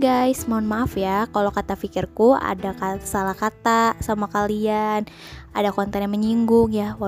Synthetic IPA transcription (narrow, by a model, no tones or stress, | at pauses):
ɡajsmaʊnmafijakalokat̪afikɪrkua̰dakasalahkat̪asamuakalian | adakɔnt̪ɛnjaməɲiŋɡʊŋjawa